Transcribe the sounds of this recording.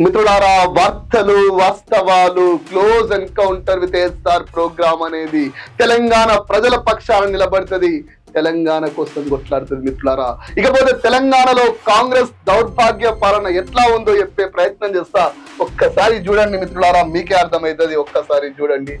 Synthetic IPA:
mit̪ɾuɭaːɾaːʋaːɾt̪ʰɐluʋaːst̪ɐʋaːlukloːzɐnkɐwɳʈɐɾʋit̪esaːɾpɾoːɡɾaːmɐne̞ːd̪it̪ɛlɐŋɡaːɳɐpɾɐd͡ʒɐlɐpɐkʂaːlɐnilɐbɐɽit̪ɐd̪i | t̪ɛlɐŋɡaːɳɐkɔːsɐmkɔʈlaːɽut̪und̪imit̪ɾuɭaːɾaːikɐpo̞ːt̪e̞ːt̪ɛlɐŋɡaːɳɐlo̞ːkaːŋɡɾe̞ːsd̪ɐwɾbʱaːɡjɐpaːlɐnɐɛʈlaːund̪oːepːe̞ːpɾɐjɐt̪nɐmt͡ʃeːst̪aː | ɔkːɐsaːɾit͡ʃuːɽɐɳɖimit̪ɾuɭaːɾaːmiːkeɐɾt̪ʰɐmɐjt̪ɐd̪iɔkːɐsaːɾit͡ʃuːɽɐɳɖi

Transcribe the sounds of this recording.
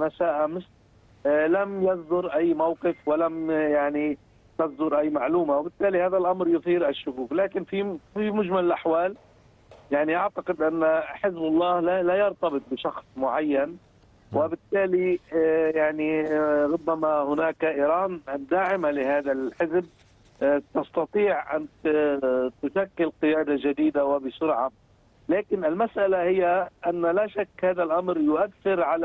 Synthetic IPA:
masaːʔamɪʃ | lamjazˤd̪ʊɾʔajːmawqɪfwɪlamjaʕni | t̪azd̪ʊɾʔajːmaʕluːmawɪbɪt̪ːaːlihaːðalʔamɾjʊθˤiːɾʔaʃːʊkuːklaːkɪnfifimʊd͡ʒmallʔaħwaːl | jaʕniʔaʕt̪aqɪd̪ʔanːħɪzbɑlˤːɑːhlalajɑɾˤt̪ɑbɨt̪̚ˤbɪʃɑxsˤmʊʕajːan | wɪbɪt̪ːaːlijaʕniɾˤʊbːamahʊnaːkʔiːɾɑːnɪd̪ːaːʕɪmalɪhaːðalħɪzb̚ | t̪ɑst̪ɑt̪ˤiːʕʔa̰nt̪ | t̪ʊʃakːɪlqɨjaːd̪ad͡ʒad̪iːd̪awɪbɪsʊɾʕa | laːkɪnɪlmasʔalahɪjːaʔanːalaʃakːhaːðalʔamɾjʊʔaθːɪɾʕala

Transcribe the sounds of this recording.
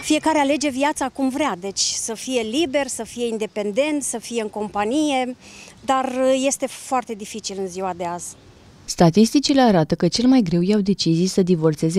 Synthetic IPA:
fije̞kaɾeale̞d͡ʒe̞vjat̪sakumvɾead̪e̞t͡ʃʲsəfije̞libe̞rsəfije̞ind̪e̞pe̞nd̪e̞nt̪səfije̞ɨŋko̞mpanije̞d̪arje̞st̪e̞foart̪e̞d̪ifit͡ʃilɨnziwad̪e̞az̥ | st̪at̪ist̪it͡ʃile̞aɾat̪əkət͡ʃe̞lmajɡɾe̞wjawd̪e̞t͡ʃizijsəd̪ivo̞rt̪se̞ze

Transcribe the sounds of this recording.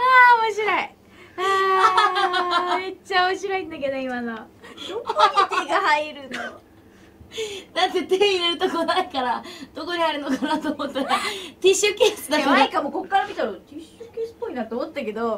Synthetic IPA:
aːmoɕiɾoi | a | met͡ɕːaoɕiɾoĩnd̪ak̬e̞d̪oimano̥oiɡahaiɾɯt̪o | nãnt̪et̪eiɾeɾɯ̟t̪okonaikaɾad̪̥okoɲihaɾɯ̟nokanat̪oːmot̪ːeɾat̪ʲiɕɨkeːsɨd̪ak̪aikamoko̞kːaɾamʲit̪aɾat̪iɕɨkeːsɨ̥pːo̞inat̪eomot̪eːake̞d̪o

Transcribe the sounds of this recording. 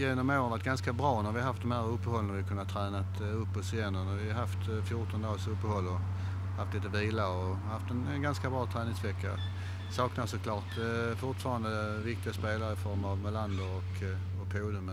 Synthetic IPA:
jeːnɔmoʊɾənvaʈ̪̚ɡanskabɾɑːnæɾvɪhaɦaft̪d̪ɔmhæːɾɵpːəhɔlːənaɾvɪkʰɵnːat̪ʰɾɛːnat̪ | ɵpːɔsɪɛnːənavɪahaft̪fjʊʈɔnd̪ɑːlsɵpːəhɔlːɔ | haft̪liːt̪əviːlaɾɔhaft̪ɛnɛnɡanskabɾɑːt̪ʰɾɛːnɪŋsvɛkːa̰ | sɑːknasɔkʰlɑːʈfʊʈfɑːɾand̪əvɪk̚t̪ɪɡaspeːlaɾəɪfɔɾmavmɛland̪ɔɔk | ɔpʰuːd̪ʊmə

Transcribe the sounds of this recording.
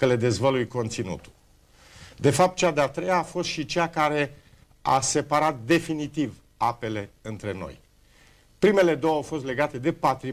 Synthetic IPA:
əle̞d̪e̞zvəlujko̞nt̪sinṵt̪u̥l | d̪e̞fap̚t̪̚t͡ʃad̪eat̪ɾe̞jaːfo̞st̪ʃit͡ʃeakaɾe̞ | a̰se̞paɾat̪̚d̪e̞finit̪iv | ape̞le̞ɨnt̪ɾe̞no̞̰j | pɾime̞le̞d̪o̞wawfo̞st̪le̞ɡat̪e̞d̪e̞pat̪ɾi

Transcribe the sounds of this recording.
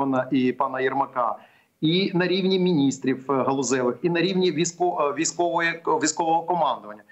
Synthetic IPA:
ɔnɐʔipɑnɐjɛrmɐkɑ | inɐɾʲiʋnʲimʲinʲist̪ɾʲiwɦɐlˠʊzɛʋˠɪxinɐɾʲiwnʲiʋʲiskɔʋʲijsʲkɔʋɔjɛʋʲijsʲkɔʋɔɦɔkɔmɑnd̪ɔʋɐnʲːɐ

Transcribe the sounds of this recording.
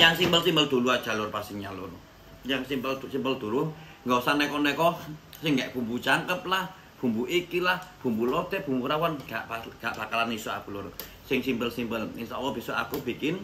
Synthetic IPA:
jaŋsimbəlsimbəld̪̥ṳluḁʒ̥a̤lʊrpasiɲalʊr | jaŋsimbəldsimbəld̪̥ṳɾʊh | ŋɡɔsanɛkɔnɛkɔh | sɪŋɡɛʔb̥ṳmbut͡ʃaŋkəp̚lah | b̥ṳmbuʔikilahb̥ṳmbulɔt̪ɛb̥ṳmbuɾawanɡ̥aʔbaɡ̥aʔb̥akalanisɔa̰b̥ulʊr | sɪŋsimbəlsimbəlɪŋsawɔb̥i̤sɔa̰kub̥i̤kɪn

